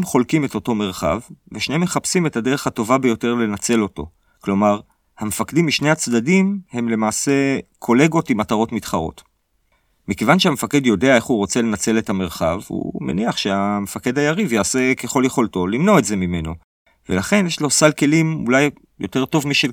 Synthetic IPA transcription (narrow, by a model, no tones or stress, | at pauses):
mχo̞lkime̞to̞to̞me̞ʁ̞χa̰vveʃneemːeχapsimetade̞ʁ̞eχhato̞vabejo̞te̞ʁle̞nat͡se̞lo̞to̞̰ | klo̞maʁ | hamefakdimiʃne̞jhat͡sdadimhe̞mle̞maːse̞kʰo̞le̞ɡo̞timataʁo̞tmitχaʁo̞̰t | mikevanʃehamefake̞djo̞de̞ae̞χuʁo̞t͡se̞le̞nat͡se̞le̞tame̞ʁχa̰vhṵmḛniaχʃe̞amefake̞dhajaʁivjaːse̞keχo̞ljeχo̞ltolimno̞etze̞mime̞no̞ | velaχe̞njeʃlo̞salke̞limṵlaj | jo̞te̞ʁto̞vmiʃe